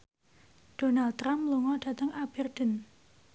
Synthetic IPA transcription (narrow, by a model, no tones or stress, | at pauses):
d̥o̤nal̚ɾamluŋɔd̥ä̤t̪əŋab̥ərd̪̥ən